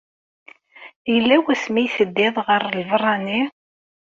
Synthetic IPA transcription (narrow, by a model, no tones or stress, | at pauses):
jəlːæwæsmijθəd̪ːɪðˤʁəɾˤlvrˤːɑni